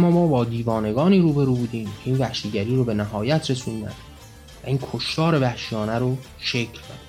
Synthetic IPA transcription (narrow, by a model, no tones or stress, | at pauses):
æmːɒːmɒːbɒːd̪iːvɒːne̞ɡɒːniːɾuːbe̞ɾuːbuːd̪iːmcʰe̞iːnvæhʃiːɟæɾiːɾobe̞næɦɒːjæt̪ʰɾe̞sund̪æ̰n | væ̰iːnkʰoʃt̪ɒːɾe̞væhʃijɒːnæɾo | ʃecʰlkʰon